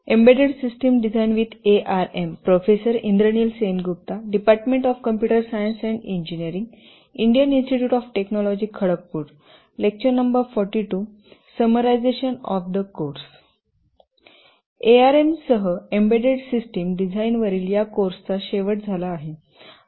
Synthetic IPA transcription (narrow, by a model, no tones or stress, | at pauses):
ẽmbeɖeɽsisʈəmɖid͡zʱajnʋit̪ʰeʔaɾempɾofesəɾḭ̃nd̪ɾənilsenɡup̚t̪aɖipaɾʈmẽɳʈɔfkəmpjuʈəɾsajənsɛ̃ɳɖiɲd͡ʑinijəɾĩŋɡ | iɳɖijəninsʈiʈjuːʈɔfʈeknɔlɔd͡ʑiːkʰəɽək̚puːɾ | lek̚t͡ɕənnːəmbəɾfɔɾʈiʈu | səməɾajd͡zeɕənɔ̰fd̪əkoɾs | eaɾemsəɦəembeɖeɽsisʈimɖid͡zʱainʋəɾiːljakoɾst͡saɕeʋəʈ̚d͡zʱalaːɦe